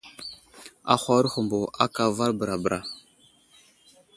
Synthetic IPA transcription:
a̰˦xʷa˦ɾxu˨mbo˨ʔa˦ka˨va˦ɾbə˨ɾa˨bɾʔa˨

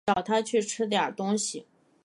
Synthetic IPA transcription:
ɑ˨˩ʊt̪ʰa˥t͡ɕʰy˥˩ʈ͡ʂʰɻ̩˥t̪jɑ̰˨˩t̪ʊ˥ŋɕi˨˩

